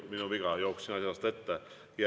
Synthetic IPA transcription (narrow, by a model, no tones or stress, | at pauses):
minuʋiɡɑjouksiːnɑsʲjɑst̪et̪ːæ | jɑ